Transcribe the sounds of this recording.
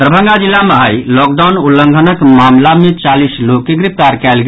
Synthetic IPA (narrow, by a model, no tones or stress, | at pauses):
t̪ɾəbʱə̃ŋɡad͡ʒilːaməɦəjlɔk̚ɖaʊnulːəŋɡʱənəkmamlamet͡ʃalislokːeɡɾipt̪aɾkɛlɡ